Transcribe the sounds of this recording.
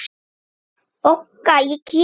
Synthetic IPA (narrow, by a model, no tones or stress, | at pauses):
okːajiki